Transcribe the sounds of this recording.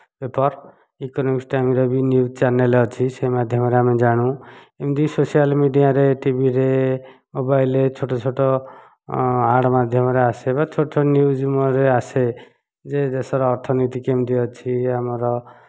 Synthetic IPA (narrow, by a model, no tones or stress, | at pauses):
bepɔɾ | ikɔnɔmiksʈaamiɾɔbinjud͡ʒt͡ʃanelɔt͡ʃʰiseimad̪ʱjɔmɔɾeamed͡ʒaɽ̃ũ | emd̪isosijalmiɖijaɾeʈibʱiɾemobailet͡ʃʰoʈɔt͡ʃʰoʈɔ | aɽmad̪ʱjɔmɔɾeasebat͡ʃʰoʈɔt͡ʃʰɔnjud͡ʒumɔɾease | d͡ʒed̪esɔɾɔːɾt̪ʰɔnit̪ikemd̪iɔt͡ʃʰiamɔɾɔ